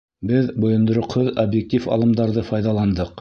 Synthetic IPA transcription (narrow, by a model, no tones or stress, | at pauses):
bɘðbŏjɤ̆nd̪ŏɾŏqhoðɐbjek̚t̪ʲifɑ̰lˠɤ̆md̪ɑɾðɤfɑjðɑlˠɑnd̪ɤq